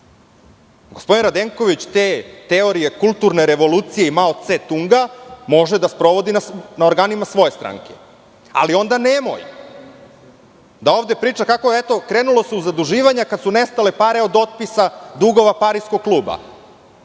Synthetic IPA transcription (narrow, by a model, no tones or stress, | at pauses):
ɡospo̞d̪inɾad̪eŋko̞ʋit͡ɕt̪et̪eo̞ɾije̞kulˠt̪uɾne̞ɾe̞ʋo̞luːt̪sije̞imaot̪set̪uŋɡamo̞ʒed̪aspɾo̞ʋo̞d̪inasnaoɾɡaːnimasʋo̞je̞st̪ɾa̰ːŋke̥ | a̰lio̞nd̪anemo̞̰j | d̪ao̞ːʋd̪e̞pɾiːt͡ʃakako̞et̪o̞kɾenulo̞seuzad̪uʒiːʋaɲakad̪sunest̪ale̞paɾeo̞d̪o̞t̪̚pisad̪uɡo̞ʋapaɾiskoɡ̚kluːba̰